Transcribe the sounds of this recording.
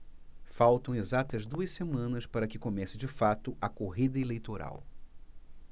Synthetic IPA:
fawt̪ɐ̃w̃ezat̪ɐzd̪uɐssemɐ̃nɐspaɾɐkɪkomɛsɪd͡ʒɪfat̪ʊʔɐkoɦid̪ɐelejt̪oɾa̰w

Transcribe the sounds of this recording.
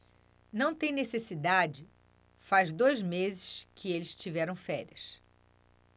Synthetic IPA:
nɐ̃w̃t̪ẽj̃nesesid̪ad͡ʒɪ | fazd̪ojzmezɪʃkʰɪelɪst͡ʃivɛɾɐ̃w̃fɛɾiɐs

